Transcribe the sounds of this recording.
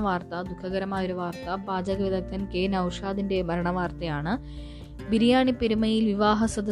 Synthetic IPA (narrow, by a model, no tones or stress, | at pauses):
ʋaːrt̪ɐd̪ukʰːɐɣɐɾɐmaːjoɾuʋaːrt̪ɐbaːd͡ʑɐɣɐʋiðɐk̪̚ʰːɐnkeːnɐwʂaːd̪inde̞mɐɾɐɳɐʋaːrt̪ɐjaːɳɨ | biɾijaːɳipːeɾumɐjilʋiʋaːɦɐsɐd̪ɐ